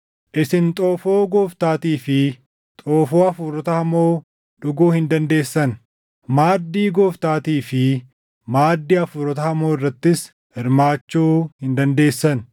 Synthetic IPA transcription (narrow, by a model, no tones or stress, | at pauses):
ʔɪsɪnt̪ʼoːfoːɡoːft̪aːt̪iːfɪ | t̪ʼoːfoːɐfʊɾɔt̪ɐhɐmoː | ᶑʊɡuːhɪnd̪ɐnd̪e̞ːsːɐn | maːd̪ːiːɡoːft̪aːt̪iːfɪ | maːd̪ːiːɐfʊɾɔt̪̬ɐhɐmoːɪrːɐt̪ːɪs | hɪɾmaːt͡ʃːuːhɪnd̪ɐnd̪e̞ːsːɐn